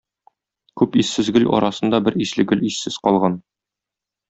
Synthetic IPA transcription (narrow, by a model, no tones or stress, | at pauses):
kʉpisːɘzɡɵlʲɒ̰ɾɑsɤ̆nd̪ɑbɘɾiʃlɘɡɵlʲisːɘz̥qɒlˠʁɑn